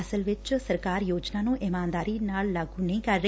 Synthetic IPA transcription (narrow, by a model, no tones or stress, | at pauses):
əsəlʋɪt͡ʃsəɾkaːɾjoːd͡ʒnaːnũːʔɪmãːnd̪aːɾiːnaːlːaːɡuːnəĩkəɾːə